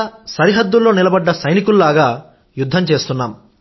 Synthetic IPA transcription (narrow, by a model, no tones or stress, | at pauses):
sɐɾiɦɐd̪ːulːo̞ːnilɐbɐɖːɐsɐjnikululaːɡaː | jud̪ʱːɐmt͡ʃe̞ːst̪unːaːm